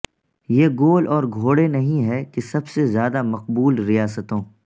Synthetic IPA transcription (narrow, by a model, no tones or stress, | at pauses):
jeːɡoːlʔɔːɾɡʱoːɽenɐɦĩɦɛkesɐbsezjaːd̪amɐq̚buːlɾijaːsət̪õː